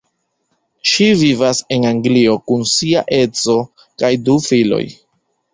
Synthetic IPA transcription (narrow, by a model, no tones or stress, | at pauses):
ʃivivase̞naŋɡlio̞kunsia̰ʔe̞t͡so̞ | kajdufilo̞̰j